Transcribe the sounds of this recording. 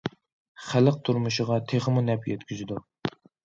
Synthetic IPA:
χæləq̚t̪ʰuɾmuʃɪʁɑt̪ʰeχəmunɛpjɛt̪kʲyzɪd̪u

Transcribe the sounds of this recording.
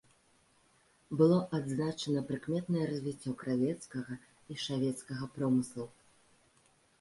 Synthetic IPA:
bɨlˠɔʔad̪znat͡ʂɐnɐpɾɨkmʲɛt̪nɐjɛɾɐzʲvʲit͡sʲːɔkɾavʲɛt̪skɐɣɐ | iʂavʲɛt̪skɐɣɐpɾɔmɨslˠu

